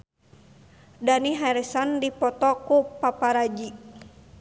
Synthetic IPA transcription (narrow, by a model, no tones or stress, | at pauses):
daniɦaɾɛsandipɔt̪ɔkupapaɾad͡ʒi